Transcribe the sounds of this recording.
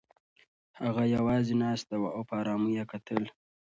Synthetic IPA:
haɣajawɑːzenɑst̪awaawpɑːɾɑːmujekat̪əl

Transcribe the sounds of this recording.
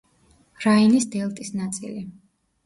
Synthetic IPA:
ɾainisd̪ɛlˠt̪ʼisnat̪sʼḭli

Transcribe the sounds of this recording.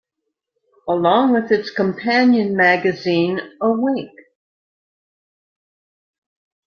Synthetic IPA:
əlɔ̃ŋwɪðɨtskə̃mpʰæ̃njɨ̃nmæɡɨzĩnəweɪk

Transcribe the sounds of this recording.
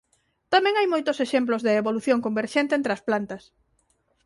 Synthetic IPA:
t̪amɛ̃ŋajmojt̪ʊseʃemplozðeːβoluθjoŋkombeɾʃent̪ent̪ɾeɐsplant̪ɐs

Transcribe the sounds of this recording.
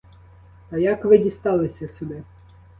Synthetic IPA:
t̪ɐjakʋɪdʲist̪ɑlˠɪsʲɐsʲʊd̪ɪ

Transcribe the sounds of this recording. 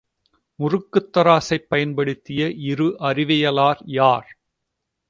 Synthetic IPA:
mʊrɯkːɯt̪ːɐɾaːsɐɪpːɐjɐnpɐɽɯt̪ːɪjɐʔɪɾɯʔɐrɪʋɐjɐlaːɾjaːɾ

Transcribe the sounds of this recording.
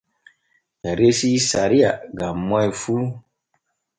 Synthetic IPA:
jaɾesisaɾiaɡamːɔifu

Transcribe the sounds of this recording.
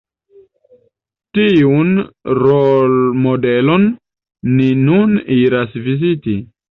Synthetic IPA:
tiunɾolmode̞lo̞nː | inuniɾasviziti

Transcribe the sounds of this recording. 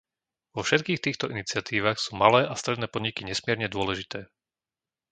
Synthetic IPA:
ʋɔfʃɛt̪̚kiːxt̪iːxt̪ɔʔinit͡sɪat̪iːʋaːxsuːmalɛːast̪ɾɛd̪nɛːpɔd̪ɲikiɲɛsmɪɛɾɲɛd̪ʊɔlɛʒit̪ɛː

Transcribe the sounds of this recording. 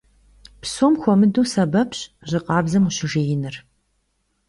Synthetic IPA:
psoːmxʷɔmɨduːsɐbɐpɕʑɪqʼɑːbzɐmuɕɪʐejɪnɨr

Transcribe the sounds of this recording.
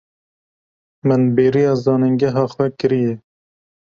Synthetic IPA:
mɨnbeːɾijɑːzɑːnɨŋɡɛɦɑːxwɛkɨɾijɛ

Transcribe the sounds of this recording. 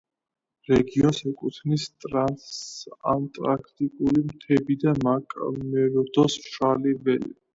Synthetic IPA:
ɾɛɡiɔnsɛkʼut̪ʰnist̪ʼɾasa̰nt̪ʼɾakʰt̪ʼikʼulimt̪ʰɛbid̪amakʼmɛɾɔd̪ɔsʃalibɛlḭ

